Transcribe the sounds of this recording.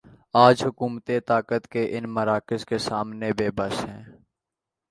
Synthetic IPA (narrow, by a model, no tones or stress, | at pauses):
aːd͡ʒɦʊkuːmt̪et̪aːkət̪keʔɪnməɾaːkɪskesaːmnebeːbəsɦɛ̃ː